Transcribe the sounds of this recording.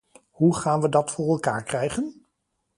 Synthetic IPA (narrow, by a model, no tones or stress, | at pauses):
ɦuχaːnʋədɑtfʊːrɛlˠkaːɹkrɛjχən